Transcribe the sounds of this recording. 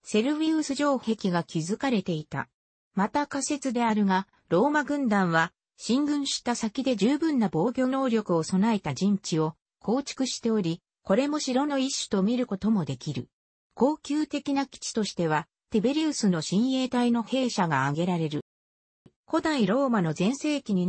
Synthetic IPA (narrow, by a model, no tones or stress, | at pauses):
se̞ɾɯ̟βiɯsɨʑo̞ːhe̞kʲiɡakʲizɨkaɾe̞t̪e̞it̪a̰ | mat̪akase̞t͡sɨd̪e̞aɾɯ̟ɡa | ɾo̞ːmaɡɯ̟̃nd̪ãɰ̃βa | ɕĩŋɡɯ̟̃ɰ̃ɕi̥t̪ːasakʲid̪e̞ʑɨːbɯ̟̃nːabo̞ːɡʲo̞ːno̞ːɾʲo̞kɯ̟o̞so̞nae̞t̪ad͡ʑĩɲ̟t͡ɕio̞ | kʰo̞ːt͡ɕi̥kɯ̟ɕi̥t̪e̞oɾʲi | ko̞ɾe̞mo̞ɕiɾo̞no̞iɕːɨ̥t̪o̞mʲiɾɯ̟ko̞t̪o̞mo̞d̪e̞kʲiɾɯ̟̰ | ko̞ːkʲɨːt̪e̞kʲinakʲi̥t͡ɕi̥t̪o̞ɕi̥t̪e̞β̞a | t̪e̞be̞ɾʲiɯsɨno̞ɕĩɰ̃e̞ːt̪aino̞he̞ːɕaɡaːɡe̞ɾaɾe̞ɾɯ̟ | ko̞d̪aiɾo̞ːmano̞zẽ̞ɰ̃se̞ːkʲiɲ̟i